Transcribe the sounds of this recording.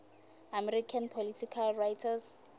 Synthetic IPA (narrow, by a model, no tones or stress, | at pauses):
amɛrikʰanpʰolitʰikʰalrajtʰas